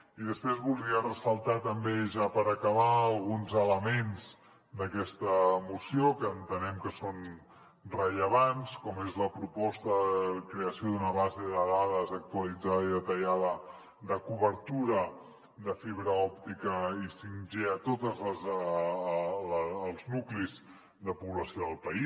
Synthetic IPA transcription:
iðəspɾezβulˠd̪ɾiərəsəlˠt̪at̪əmbeʒapəɾəkəβaəlˠɣunzələmenz | d̪əkɛst̪əmusiokəːnt̪ənɛmkəson | rəʎəβanskɔmezləpɾupɔst̪əðəəkɾeəsijoðunəβazeðəðaðəzək̚t̪uəlid͡zaðəiðət̪əʎaðə | ðəkuβəɾt̪uɾə | ðəfiβɾəɔp̚t̪ikəisinʒeət̪ot̪əzləz | lˠznukliz | ðəpuβləsioðəlˠpəis

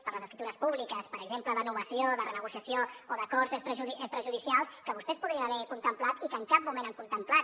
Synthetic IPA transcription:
pəɾləzəskɾit̪uɾəspuβlikəspəɾəɡzempləðənuβəsioðərənəɣusiəsiooðəkɔzəst̪ɾəʒuəst̪ɾəʒuðisialˠskəβust̪ɛspuðɾiənəβɛkunt̪əmplat̪ikəːŋkap̚mumẽnaŋkunt̪əmplat̪

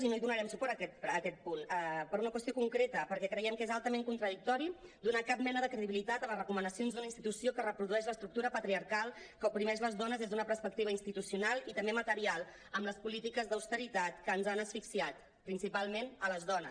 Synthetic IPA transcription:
zinoiðunəɾɛmsupɔɾəkɛt̪̚əkɛt̪̚punəpəɾunəkwəst̪iokuŋkɾet̪əpəɾkɛkɾəjɛmkezalˠt̪əmeŋkunt̪ɾəðik̚t̪ɔɾid̪unakap̚mɛnəðəkɾəðiβilit̪at̪əmərəkumənəsionzðunəinst̪it̪usiokərəpɾuðuɛʃləst̪ɾuk̚t̪uɾəpət̪ɾiəɾkalˠkəupɾimɛʒləzðɔnəzðezðunəpəɾspək̚t̪iβ̞əinst̪it̪usiunalˠit̪əmbemət̪əɾialˠ | əmləspulit̪ikəzðəwst̪əɾit̪at̪kəːnzanəsfiksiat̪ | pɾinsipalˠmenələzðɔnəs

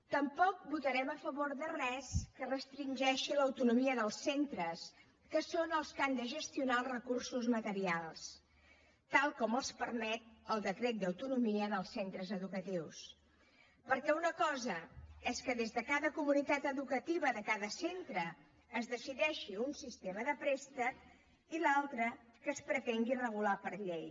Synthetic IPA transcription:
t̪əmpɔk̚but̪əɾɛməfəβoɾðərɛskərəst̪ɾinʲʒɛʃiləwt̪unumiəðəlˠsent̪ɾəs | kəsonəlˠskand̪əʒəst̪iunalˠrəkursuzmət̪əɾialˠs | t̪alˠkɔməlˠspəɾmɛt̪̚əlˠd̪əkɾet̪̚d̪əwt̪unumiəðəlˠsːent̪ɾəzəðukət̪iws | pəɾkɛunəkɔzəɛskəðezðəkaðəkumunit̪at̪əðukət̪iβəðəkaðəsent̪ɾəː | zðəsiðɛʃiunsist̪eməðəpɾest̪ə | ilalˠt̪ɾəkəːspɾət̪eŋɡirəɣ̞ulapəɾʎej

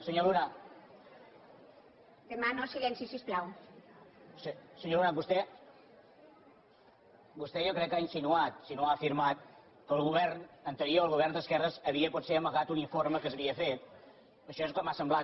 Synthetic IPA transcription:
səɲoluna | d̪emanosilɛnsisisplaw | səsəɲolunabust̪ɛ | bust̪ɛʒokɾɛkːainsinuat̪sinoaːfiɾmat̪̚ | kəːlˠɣuβɛrnənt̪əɾioːlˠɣuβɛrnd̪əskɛrəzəβiəpɔt̪seəməɣat̪uniɱfoɾməkəsəβiəfet̪ | əʃɔeskɔmasəmblat̪

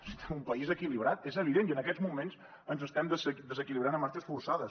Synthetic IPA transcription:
sit̪ɛmumpəizəkiliβɾat̪ezəβ̞iðeniənəkɛzmumens | ənzəst̪ɛmd̪əsd̪əzəkiliβɾanəmːaɾt͡ʃəsfursaðəs

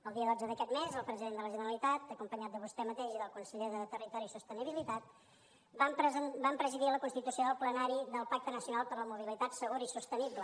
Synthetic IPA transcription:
əlˠd̪iəðɔd͡zəðəkɛt̪mezəlˠpɾəziðend̪ələʒənəɾəlit̪at̪əkumpəɲat̪̚d̪əβust̪ɛmət̪eʒiðəlˠkunsəʎeðət̪ərit̪ɔɾisust̪əniβilit̪at̪̚ | bampəzəbampɾəziðiləkunst̪it̪usioðəlˠplənaɾiðəlˠpak̚t̪ənəsiunalˠpəɾləmuβilit̪at̪səɣuɾəisust̪əniblə

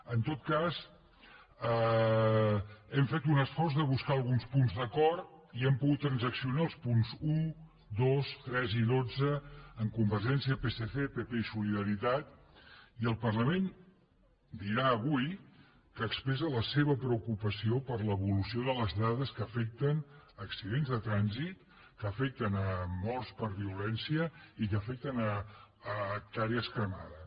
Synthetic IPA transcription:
ənt̪ot̪̚kaz | ə | ɛmfet̪unəsfɔrzðəβ̞uskaəlˠɣunspunzðəkɔɾt̪iɛmpuɣut̪ːɾənzəksiunaəlˠspunzu | d̪ost̪ɾɛziðod͡zəəŋkumbəɾʒɛnsiəpeseθepepeisuliðəɾit̪at̪̚ | iəlˠpərləmen | d̪iɾaəβuj | kəːkspɾɛzələseβəpɾəukupəsiopəɾləβulusioðələzðaðəskəːfɛk̚t̪ənːksiðenzðət̪ɾanzit̪ | kəːfɛk̚t̪ənəmɔrspəɾβiulɛnsiəikəfɛk̚t̪ənəː | k̚t̪aɾiəskɾəma̰ðə

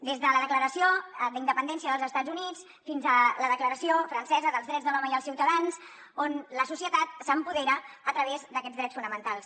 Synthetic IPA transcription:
d̪ezðələðəkləɾəsiod̪ind̪əpənd̪ɛnsiəðəlˠzəst̪ad͡zzunit͡s | finzələðəkləɾəsiofɾənsɛzəðəlzðɾɛd͡zðəlɔməiəlˠsiwt̪əðans | onləsusiət̪at̪̚səmpuðeɾəːt̪ɾəβezd̪əkɛd͡zðɾɛt͡sfunəmənt̪alˠs

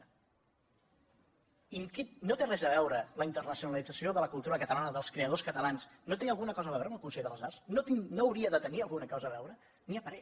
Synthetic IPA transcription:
iŋkenot̪erɛzəβ̞ɛwɾələint̪ərnəsiunəlid͡zəsioðələkulˠt̪uɾəkət̪əlanəðəlˠskɾeəðoskət̪əlansnot̪eŋəlˠɣunəkɔzəːβɛwɾəməlˠkunseʎðəlˠzaɾsnot̪inoːwɾiəðət̪əniəlˠɣunəkɔzəːβ̞ɛwɾə | niəpəɾɛ

